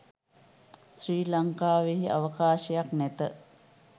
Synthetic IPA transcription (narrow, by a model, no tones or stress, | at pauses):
sriːlaŋkaːʋeɦiʔa̰ʋəkaːʃəjaknæt̪ə